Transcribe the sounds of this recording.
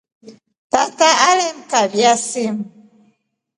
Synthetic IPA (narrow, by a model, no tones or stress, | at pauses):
tataalɛmkabjasem